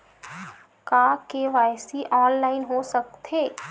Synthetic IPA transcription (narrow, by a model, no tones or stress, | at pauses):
kaːkeʋaːjsiʔɔːnlaːɪnɦosɐk̚t̪eː